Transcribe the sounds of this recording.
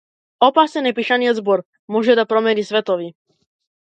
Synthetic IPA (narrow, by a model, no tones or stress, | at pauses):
ɔpaːsɛnɛpiʃaniɛzbɔɾ | mʊɔʒɛd̪at̪̚pɾɔmɛnisʋɛt̪ɔʋi